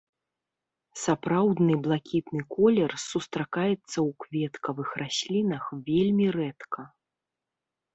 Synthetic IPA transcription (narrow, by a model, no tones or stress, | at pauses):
sapɾawd̪nɨblˠakʲit̪nɨkɔlʲɛrsust̪ɾakajɛt̪sːɐwkvʲɛt̪kɐvɨxrasʲlʲinɐxvʲelʲmʲirɛt̪kʰɐ